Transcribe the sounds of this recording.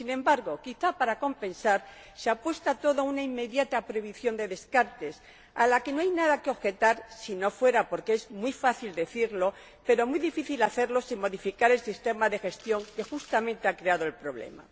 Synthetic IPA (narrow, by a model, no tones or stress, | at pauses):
sinẽ̞mbaɾɣo̞kiθapaɾako̞mpẽ̞nsaɾ | seapwe̞st̪at̪o̞ðounaimːe̞ðjat̪apɾeβiθjo̞nd̪e̞ðe̞skaɾt̪e̞s | alake̞noajnaðakeo̞βxe̞t̪aɾsino̞fwe̞ɾapo̞ɾkeezmwifaθild̪e̞θiɾlo̞ | pe̞ɾo̞muiðifiθilaθe̞ɾlo̞siŋmo̞ðifikaɾe̞lsist̪e̞maðe̞xe̞st̪jo̞ŋke̞xust̪amẽ̞nt̪e̞akɾe̞aðoe̞lpɾo̞βle̞̰ma̰